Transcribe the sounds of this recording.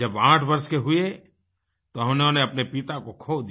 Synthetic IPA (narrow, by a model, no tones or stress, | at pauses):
d͡ʒɐbãːʈʰbɐɾskeɦʊe | t̪oɦɐ̃mneoneɐpnepit̪akokʰoːd̪i